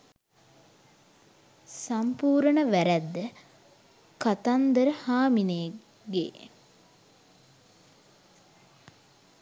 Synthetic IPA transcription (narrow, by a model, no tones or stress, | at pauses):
sampuːɾənəʋæɾæd̪ːə | kat̪and̪əɾəhaːmine | ɡḛː